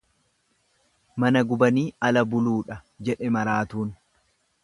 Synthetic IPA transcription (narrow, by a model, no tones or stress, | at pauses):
mɐnɐɡʊbɐniːɐlɐbʊluːᶑɐ | d͡ʒɛᶑɛmɐɾaːt̪uːn